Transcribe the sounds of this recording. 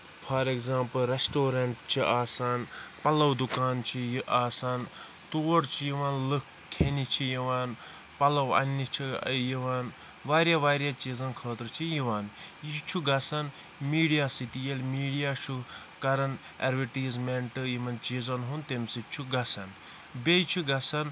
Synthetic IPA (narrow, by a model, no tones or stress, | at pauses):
fʰɐːɾekzãːmpɐlɾesʈoːɾɐɳʈt͡ʃʰiʔaːsaːnpɐlɐwd̪ukaːnt͡ʃʰijʔaːsaːn | t̪oːɽt͡ʃʰijiʋaːnlɨk | kʰːenit͡ʃʰijiʋaːn | pɐlɐwɐ̰nːit͡ʃʰijiʋaːn | ʋaːɾʲjaʋaːɾʲjaːt͡ʃiːzɐnkʰəːt̪ɾɨt͡ʃʰijiʋaːnjit͡ʃʰuɡɐsɐn | miːɽijaːsit̪ijelmiːɽijaːʃʰu | kɐɾɐn | ḛɾʋiʈiːzmeɳʈɨjimɐnt͡ʃiːzɐnɦunt̪emsit͡ʃʰuɡɐsɐn | bejt͡ʃʰiɡɐsɐn